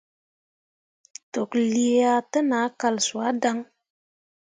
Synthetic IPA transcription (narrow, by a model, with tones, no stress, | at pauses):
to˨kli˧ja˧tə˦na˨˦ka˨lsu˨a˦da˧ŋ